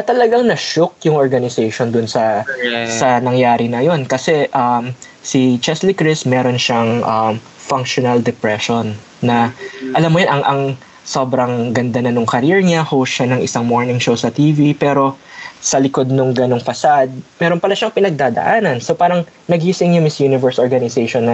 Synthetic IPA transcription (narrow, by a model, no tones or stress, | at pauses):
ɐt̪ɐlɐɡaŋnɐʃok̚jʊŋʔoɹɡɐnɪsɛjʃond̪ʊnsɐsɐnɐŋjaːɾɪnɐjo̞nkɐsɛʔɐm | sit͡ʃɛslikɾɪsmɛːɾo̞nʃɐŋʔɐm | fɐŋk̚ʃonɐld̪ɛpɹɛʃonː | ɐʔɐlamːojonʔɐŋʔɐŋ | so̞bɾɐŋɡɐnd̪anɐnʊŋkɐɾiɹɲahowsʃɐnɐŋʔɪsaŋmo̞ɹnɪŋʃowsɐt̪iːvipɛːɾo̞sɐlɪko̞d̪̚nʊŋɡɐno̞ŋfɐsad̪̚mɛɾo̞npɐlaʃɐŋpɪnɐɡ̚d̪ad̪ɐ̰ʔaːnɐnsopaːɾɐŋnɐɡisɪŋjʊmɪsjunɪvɛɹsʔoɹɡɐnɪsɛjʃonːɐ